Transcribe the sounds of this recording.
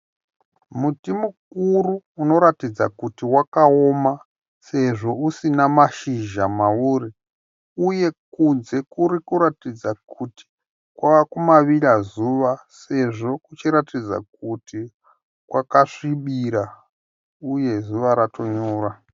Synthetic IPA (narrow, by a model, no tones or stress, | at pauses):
mutimuk̚uruːno̞ɾatid͡za̰kutiwakaoma | se̞ʐo̞usinamaʃiʒamauːri | uje̞kunze̞kuɾikuɾatid͡zakʰuti̥ | kwaʋakumaʋirazuʋase̞ʐo̞kut͡ʃiɾatid͡za̰k̚uti | kwakaʂiɓiɾa | uje̞zuʋaɾato̞ɲoːra